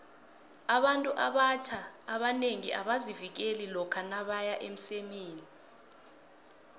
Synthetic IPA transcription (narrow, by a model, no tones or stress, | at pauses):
aɓantʼuʔaɓat͡ʃʰaːɓaneŋiʔaɓazivik̬elilɔkʰanaɓajaʔem̩semeːni